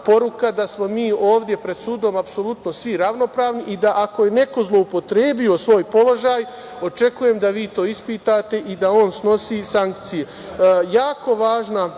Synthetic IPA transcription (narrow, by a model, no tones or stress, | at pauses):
po̞ɾukad̪asmo̞miːo̞ːʋd̪je̞pɾe̞d̪̥suːd̪o̞mapso̞lut̪no̞sʋiɾaʋno̞pɾaːʋniʔid̪aʔako̞je̞ne̞ko̞zlˠo̞upo̞t̪ɾeːbio̞sʋo̞ːjpo̞lo̞ʒaːj | o̞t͡ʃe̞kuje̞ːmd̪aʋiːt̪oːispiːt̪aːt̪e̞ʔid̪ao̞ːnsno̞siːsaŋkt̪sije | jaːko̞ʋaːʒna